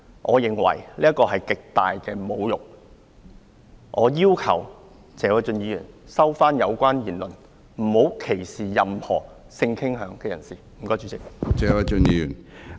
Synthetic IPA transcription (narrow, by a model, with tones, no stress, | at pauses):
ʔɔː˨˧jɪ˨ŋwɐ̰˨˩jliː˥ɐ˥t̚kɔː˧ɦɐ˨jkɪ˨k̚t̪aː˨jkɛː˧mo˨˧wjʊ˨˩k̚ | ʔɔː˨˧jiː˥wkʰɐ̰˨˩w | t͡sɛː˨˥wɐ˨˩jt͡sɵ˧njiː˨˧jyː˨˩nsɐ˥wfaː˥njɐ˨˧wkʷaː˥njiː˨˩nlɵ˨n | m̩˨˩ho˨˥wkʰe˨˩jsiː˨˩jɐ˨mhɔ̰ː˨˩ | sɪ˧ŋkʰɪ˥ŋɦœː˨˧˥ŋkɛː˧jɐ̰˨˩nsiː˨˩m̩˨˩kɔː˥jt͡ʃy˨˧t͡sɪ˥k̚t͡sɛː˨˧˥wɐ˨˧t͡ʃɵ˧njiː˧jy̰ː˨˩n